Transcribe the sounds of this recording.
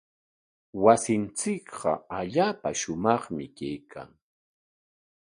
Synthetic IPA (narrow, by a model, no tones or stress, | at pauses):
wasɪnt͡sɪkɢɑaʎaːpaʃʊmɑχmɪkajkʰa̰ŋ